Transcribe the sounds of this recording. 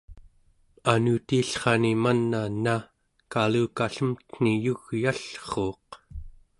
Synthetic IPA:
anut̪iːɬχɑnimanːana | kaluːkaɬəmt̪n̥ijuɣjaɬχoːq

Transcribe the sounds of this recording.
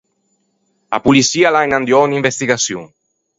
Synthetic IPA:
a̰pulisialajnand̪jɔnimbest̪iɣasju

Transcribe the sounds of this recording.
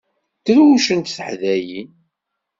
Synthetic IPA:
t̪əɾwuʃənt̪θəħðæji

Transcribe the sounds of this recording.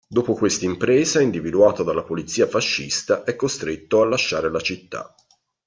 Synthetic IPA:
d̪oːpokwest̪aimpɾɛːzaind̪ivid̪uaːt̪od̪alːapolit̪sːiːafaʃːḭst̪aʔɛkːost̪ɾet̪ːoalːaʃːaːɾelat͡ʃit̪ːa̰

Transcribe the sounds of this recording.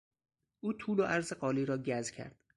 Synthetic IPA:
ʔuːt̪ʰuːloʔæɾzeɢɒːliːɾɒːɟæzcʰæ̰ɾd̪̥

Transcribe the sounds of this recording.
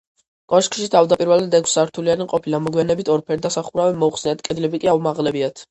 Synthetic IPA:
kʼɔʃkʼʃit̪ʰavd̪apʼiɾvɛlad̪ɛkʰsaɾt̪ʰulianimqʼɔpʰilamɔɡwianɛbit̪ʰɔɾpʰɛɾd̪asaχuɾavɛmɔuχsnɛat̪kʼɛd̪lɛbikʼiaumaʁlɛbiat̪ʰ

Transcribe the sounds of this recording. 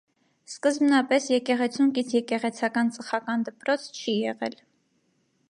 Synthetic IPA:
skəzmnɑpɛsjɛkɛʁɛt͡sʰuŋkit͡sʰjɛkɛʁɛt͡sʰɑkɑnt͡sʼəχɑkɑnd̪əpɾɔt͡sʰt͡ʃʰijɛʁɛ̰l

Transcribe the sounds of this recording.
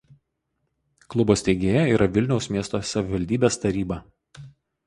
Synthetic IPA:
klˠʊboːsʲt̪ʲɛɪɡʲeːjɛiːɾɐʋʲɪlʲnʲɛʊsmʲiɛst̪oːsɐʋʲɪʋɐlʲd̪ʲiːbʲeːst̪ɐɾʲiːbɐ

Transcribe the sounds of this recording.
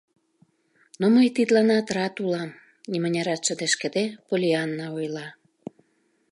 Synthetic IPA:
noməjt̪it̪lɑnɑt̪rɑt̪ulɑm | nʲimənʲɑɾɑt̪ʃə̆d̪eʃkə̆d̪epolʲiɑnːɑojlɑ

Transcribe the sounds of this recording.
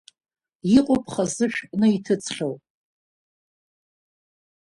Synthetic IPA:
iqʷʼʊpʰχazɨʃᶣpʼnɨitʰɨt͡sʰχʲow

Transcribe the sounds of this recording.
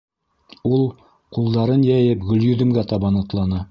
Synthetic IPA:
ulˠ | qulˠd̪ɑɾɤnjæjɘpɡɵ̆ljɵ̆d̪ɘ̆mɡæt̪ɑβɑnɑ̆t̪lˠɑnɤ

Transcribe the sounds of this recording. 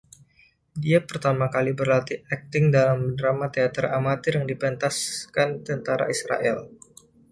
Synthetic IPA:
diapərt̪amakalibərlat̪iɛk̚t̪ɪŋdalamədɾamat̪eat̪əɾramat̪ɪrjaŋdipɛnt̪askant̪ənt̪aɾa̰isɾa̰ʔɛ̰l

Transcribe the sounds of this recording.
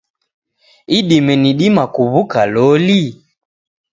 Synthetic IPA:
iɗimɛniɗimakuβukalɔli

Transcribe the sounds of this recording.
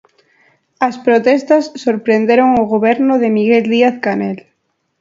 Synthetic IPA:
ɐspɾot̪ɛst̪ɐsːoɾpɾend̪eɾoŋoɣoβ̞ɛɾnʊðemiɣeld̪iaθkanel

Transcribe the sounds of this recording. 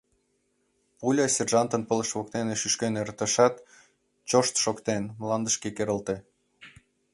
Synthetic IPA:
pulʲɑsʲerʒɑnt̪ənpələʃβok̚t̪eneʃyʃkeneɾt̪əʃɑt̪ | t͡ɕoʃt̪ʃokt̪enmlɑnd̪əʃkekeɾəlt̪e

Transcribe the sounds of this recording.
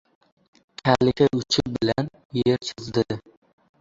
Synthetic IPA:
kʲʰalɪkʲaʔʊt͡ʃʰɪbɪlan | jeɾt͡ʃʰɪzd̪ɪ

